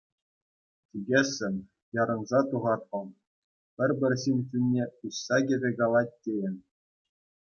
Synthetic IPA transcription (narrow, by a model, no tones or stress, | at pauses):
tʲiɡʲesʲːɘ̆mʲ | jɑɾɤ̆nzɑt̪uʁɑt̪pɤ̆m | pʲɘ̆rʲbʲɘ̆rʲsinʲsʲinʲːeuɕsɑɡʲɘ̆rʲeɡɑlˠɑt̚ʲtʲːejɘ̆nʲ